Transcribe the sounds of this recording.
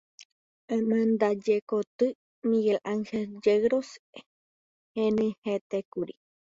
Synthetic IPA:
amãnd̪ad͡ʒekot̪ɨ | miɡelʔaŋheld͡ʒeɾos | henĩhet̪ekuɾi

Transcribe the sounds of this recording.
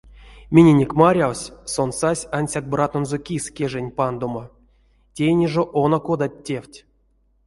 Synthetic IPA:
mʲinʲenʲekʲmaɾʲawsʲso̞nsasʲanʲsʲak̚brat̪onzokʲisʲkʲeʐenʲpand̪oma | tʲejnʲeʐoʔonokod̪at̚ʲːe̞wʲtʲ

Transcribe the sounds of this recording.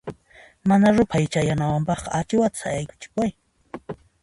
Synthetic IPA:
manaɾʊpʰajt͡ʃajanawampɑχqɑat͡ʃɪwat̪sajajkʊ̥t͡ʃɪ̥kaj

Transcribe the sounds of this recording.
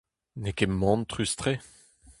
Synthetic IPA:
nekemːɑ̃ːnt̪χyst̪χe

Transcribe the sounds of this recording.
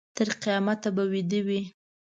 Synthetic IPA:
t̪əɾqijɑmat̪ːabawid̪əwi

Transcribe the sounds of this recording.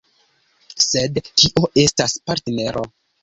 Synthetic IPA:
se̞dtiʔo̞ʔe̞staspaɾtne̞ɾʔo̞̰

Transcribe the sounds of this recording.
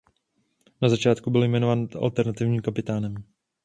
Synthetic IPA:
nazat͡ʃaːt̪kubɪljmɛnovaːna̰lt̪ɛɾnat̪ɪvɲiːmkapɪt̪aːnɛm

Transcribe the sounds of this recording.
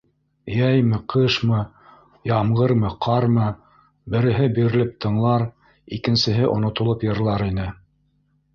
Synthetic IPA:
jæjmɘ̆qʰɤʃmɤ | jɑmɢɤɾmɤqʰɑɾmɤ | bɘ̆ɾɘ̆ɦɘbiɾɘ̆lɘp̚t̪ʰɤ̆ɴlˠɑɾ | ikɘ̆nsɘ̆ɦɘʔŏ̰nŏt̪ŏlˠopjɤ̆ɾlˠɑɾinɘ

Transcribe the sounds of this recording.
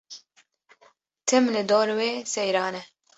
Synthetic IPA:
t̪ʰɛmlɪd̪ɔɾwesɛjɾaːnɛ

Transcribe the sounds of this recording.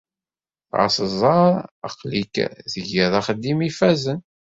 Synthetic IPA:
θʕɑ̰sˤəzˤɑɾˤə̰qlḭkðəʝiðˤæχəd̪ːimifæzən

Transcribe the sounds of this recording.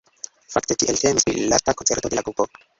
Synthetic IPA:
faktetiʔeltemispɾḭlːa̰stakont͡seɾto̞d̪elakɾupo

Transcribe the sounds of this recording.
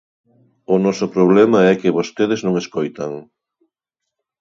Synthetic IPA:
ʊnɔsʊpɾoβ̞lɛmɐɛkɪβost̪eðɪznõŋeskojt̪ɐŋ

